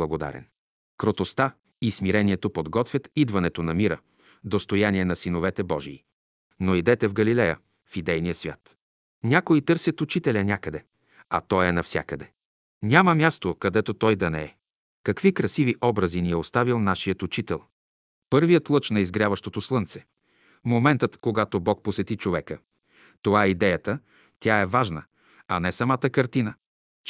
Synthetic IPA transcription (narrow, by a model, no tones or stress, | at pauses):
lˠɐɡod̪a̰ɾɛ̰n | kɾot̪ost̪a | ismiɾɛniɛt̪opod̪ɡɔt̪vʲjət̪id̪vɐnɛt̪onɐmiɾə̰ | d̪ost̪ojaniɛnɐsinovɛt̪ɛbɔʒḭː | noid̪ɛt̪ɛvɡɐlilɛjə̰ | fid̪ɛjnijəsvʲa̰t̪ | nʲakoit̪ɤɾsʲjət̪ut͡ʃit̪ɛlʲɐnʲakəd̪ɛ | ɐ̰t̪ɔɛnɐfsʲja̰kəd̪ɛ | nʲaməmʲjast̪okɐd̪ɛt̪ot̪ɔjd̪ɐnɛɛ | kɐkvikɾɐsiviʔɔbɾəziniɛost̪avilˠnaʃijət̪ut͡ʃit̪ɛlˠ | pɤɾvijət̪lˠɤt͡ʃnɐizɡɾjavəʃt̪ot̪oslˠɤnt̪sɛ̥ | momɛnt̪ət̪koɡat̪obɔk̚posɛt̪it͡ʃovɛkə | t̪ovaɛid̪ɛjət̪ə | t̪ʲaɛvaʒnə | ɐnɛsɐmat̪əkɐɾt̪inə